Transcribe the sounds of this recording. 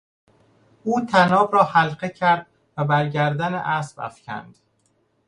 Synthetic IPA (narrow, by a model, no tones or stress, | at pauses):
uːt̪ʰænɒːbɾɒːhælɢecʰæɾd̪ | væbæɾɟæɾd̪ænḛʔæsbæ̰fcʰæ̰nd̪̥